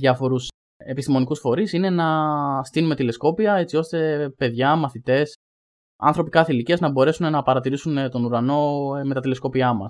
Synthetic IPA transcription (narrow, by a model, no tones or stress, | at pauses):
ɐfo̞ɾus | e̞pist̪imo̞nikusfo̞ɾisine̞nɐst̪inume̞t̪ile̞sko̞piɐe̞t͡sio̞st̪e̞pe̞ðʝɐmɐθit̪e̞s | ɐ̰nθɾo̞pikɐθeiliciɐznɐbo̞ɾe̞sunenɐpɐɾɐt̪iɾisunt̪o̞nuɾɐno̞me̞t̪ɐt̪ile̞sko̞piɐmɐ̰s